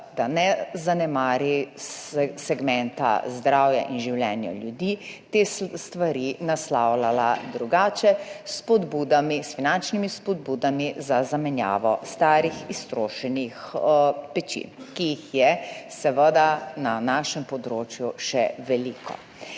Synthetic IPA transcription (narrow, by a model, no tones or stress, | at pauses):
d̪̥anɛzanɛmaːɾi | sɛɡmɛnt̪a̰zd̪ɾawja̰ʔinʒiwlɛːnja̰ljud̪it̪est̪ʋaɾinaslawlalad̪ɾuɡaːt͡ʃɛspɔd̪bud̪amisfinant͡ʃnimispɔd̪̚buːd̪amizazamɛnja̰ːʋɔ̰st̪aːɾixist̪ɾoːʃɛnixpɛt͡ʃḭkiːxjɛsɛʋəd̪ananaːʃɛmpɔd̪ɾoːt͡ʃjuʃɛʋɛliːkʰɔ̰